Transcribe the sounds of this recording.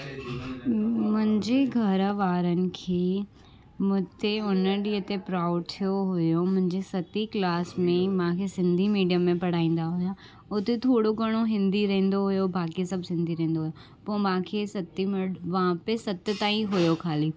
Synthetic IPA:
mʊ̃ɦɪ̃ɲd͡ʑeɡʱɐɾʋaːɾənɪ̆kʰeː | mʊ̃ɦt̪eʊnəɗiːɦət̪epɾaːʊɖ̚t̪ʰijoɦʊjomʊ̃ɦɪ̃ɲd͡ʑesɐt̪iklaːsmẽmãkʰesɪ̃nd̪ʱimiːɖijəmːẽpɐɽ̤aːĩːn̆d̪aɦʊja | ʊt̪et̪ʰoːɽoɡɐɽ̃oɦɪ̃nd̪iɾɐɦẽːn̆d̪oɦʊjobʱaːkisɐbʱsɪ̃nd̪ʱiɾɐ̃ɦẽːnd̪oɦʊjo | poːmãːkʰeːsɐt̪imʋãpesɐt̪ɪt̪aːĩɦʊjokʰaːliː

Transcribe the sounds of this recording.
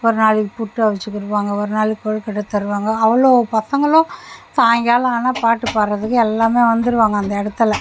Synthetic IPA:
ɔɾɯnaːɭipʊʈːɯɐʋɐt͡ʃːɯkːɯɾɯʋaːŋɡɐɔɾɯnaːɭikɔɻkɛʈːɐt̪ːɐɾɯʋaːŋɡɐːʋɐɭoːpɐsɐŋɡɐɭõt̪aːŋɡaːlaːnaːpaːʈːɯpaːɾɾɐðɯkːɯɛlːaːmeːʋɐnd̪ɯɾɯʋaːŋɡɐːnd̪ɐɛɽɯt̪ːɐlɐ

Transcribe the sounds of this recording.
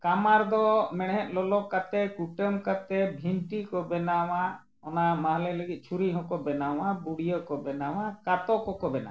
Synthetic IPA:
kamaɾd̪ɔmɛɽɦɛt̪̚ˀlɔlɔkat̪ɛkuʈəmkat̪ɛbʱinʈikɔbɛnawa | ɔnamaɦlɛləɡit̪̚t͡ʃʰuɾiɦɔ̃kɔbɛnawabuɽijɔkɔbɛnawakat̪ɔkɔkɔbɛna̰

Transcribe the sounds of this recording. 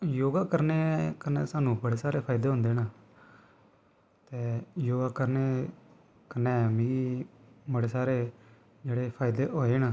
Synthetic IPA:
joːɡaːkəɾneːkənɛ̰ːsaːnũːbəɽeːsaːɾeːpʰaːɪd̪eːɦʊ̃nd̪eːnaː | t̪eːjoːɡaːkəɾneː | kənːɛ̃ːmĩibəɽeːsaːɾeː | d͡ʒeːɽeːpʰaːɪd̪eːɦoːeːnaː

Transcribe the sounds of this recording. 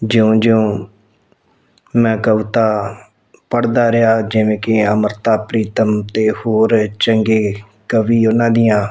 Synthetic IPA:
d͡ʒɪõːd͡ʒɪõː | mɛ̃ːkəʋt̪aː | pəɽd̪aːɾɪjaːd͡ʒɪʋẽːkɪəməɾt̪aːpɾiːt̪əmt̪eːhoːɾt͡ʃəŋɡeː | kəʋiːonãːd̪ɪjãː

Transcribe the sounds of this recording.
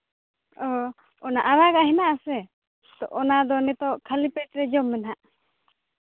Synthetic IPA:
ɔ | ɔnaʔaɾaɡaʔɦɛnaʔasɛ | t̪ɔʔɔnad̪ɔnɛt̪ɔʔkʰalipɛʈɾɛd͡ʒɔmːɛnɦaʔ

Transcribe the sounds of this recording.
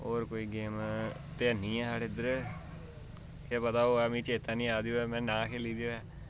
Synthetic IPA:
oːɾkoːiːɡeːmt̪eːənĩːɛ̃ːsaːɽeːd̪əɾ | keːpət̪aːoːamĩːt͡ʃeːt̪ãːnĩːaːd̪ejoːɛːmɛ̃ːnãːkʰeːliːd̪ejoːɛː

